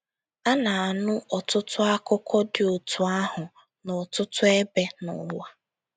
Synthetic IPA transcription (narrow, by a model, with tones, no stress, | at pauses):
a˦na˨a˨nʊ˦ʔɔ˨tʊ˦tʊ˦a˦kʊ˦kʰɔ˦dɪ˨ʊ˨tʰu˨a˦ɦʊ˨ | nʊ˨tʊ˦tʊ˦e˦be˦nʊ̰˨wa˦